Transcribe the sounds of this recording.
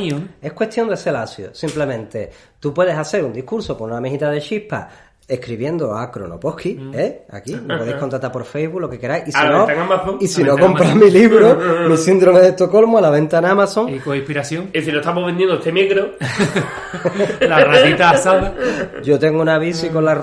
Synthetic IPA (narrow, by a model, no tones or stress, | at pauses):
e̞hkwe̞ht̪jo̞nd̪e̞selasjo̰simple̞mẽnt̪e̞ | t̪upwe̞ð̞esaθe̞ɾund̪ikuɾsokonunameɦit̪aðe̞ʃihpa̰ | e̞hkɾiβje̞nd̪oakɾo̰no̰po̞hkiea̰kipoðejko̞nt̪ɾat̪aɾpo̞ɾfejβulo̞ke̞ke̞ɾajisinoeŋamaθoŋisinokko̞mpɾamiliβɾomisind̪ɾo̞meðeht̪oko̞lmualaβẽ̞nt̪anamasoŋikoipiɾaθjoŋesinot̪amoβend̪jend̪oet̪emeɣɾo | larat̪it̪asaɣed͡ʒo̞t̪e̞ŋɡounaβ̞isikona